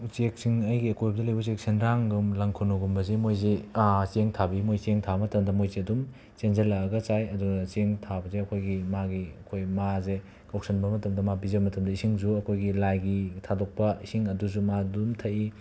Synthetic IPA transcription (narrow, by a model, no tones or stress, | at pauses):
t͡ʃek̚siŋɐjɡiɐkʰojbɐdɐlɐjbɐt͡ʃek̚sʰenɾaŋɡumlɐŋkʰunuɡumbɐzemojzet͡ʃeŋtʰabimojt͡ʃeŋtʰamɐtɐmdɐmojzeɐdum | t͡ʃenzɐlɐɐɡɐt͡ʃajɐduɡɐt͡ʃeŋtʰabɐzeɐkʰojɡimaɡiɐkʰojmaze | kɐwksʰɐnbɐmɐtɐmdɐmabizɐbɐmɐtʰɐmdɐisiŋzuɐkʰojɡilajɡitʰadok̚pɐisiŋɐduzumadumtʰɐi